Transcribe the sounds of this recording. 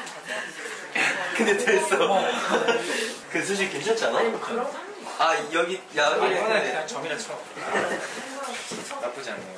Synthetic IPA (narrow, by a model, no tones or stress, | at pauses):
kɯndetees͈ʌ | kɯs̬ʰoɕ̬ʰiɭkent͡ɕʰʌt͡ɕ͈ʰanaokʰa | ajʌɡijaat͡ɕʌmiɾat͡ɕʰʌ | nap͈ud͡ʑian